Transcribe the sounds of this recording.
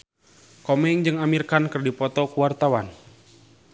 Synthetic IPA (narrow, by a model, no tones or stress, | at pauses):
kɔmɛŋd͡ʒɨŋamirkankərdipɔt̪ɔkuwart̪awan